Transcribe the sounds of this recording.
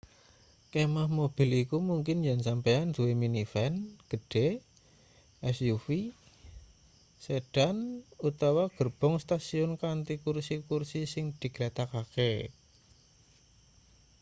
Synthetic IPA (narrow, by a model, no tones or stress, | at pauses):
kemahmob̥i̤likumuŋkɪnjansampajand̥uweminifɛnɡ̥ə̤ɖ̥e | ʔɛsjufi | seɖ̥anut̪awaɡ̥ərb̥ɔŋst̪asiʊnkant̪ikursikursisɪŋd̪̥i̤ɡ̥ɾat̪akake